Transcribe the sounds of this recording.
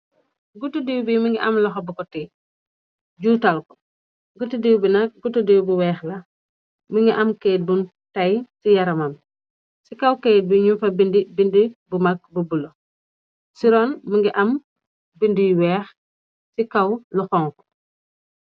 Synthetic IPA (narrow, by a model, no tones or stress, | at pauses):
ɡutudiwbimiŋɡiʔɐ̰mlɐxɔbɐkɔti | ɟuːtɐlkɔ̥ | ɡutudiwbinɐk̚ɡutudiwbuwɛːxlɐ | miŋɡiʔɐmkeːt̚bun | tajsijɐɾɐmɐm | sikawkɛt̚buɲumfɐbindibindibumɐk̚bubulo | siɾɔnmiŋɡiʔɐm | bindijwɛːx | sikawlɔxɔŋkɔ̥